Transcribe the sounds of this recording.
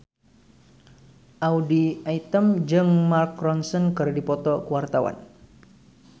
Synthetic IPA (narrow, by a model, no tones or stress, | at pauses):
ʔawdiait̪əmd͡ʒɨŋmarkrɔnsɔnkɨrdipɔt̪ɔkəwart̪awa̰n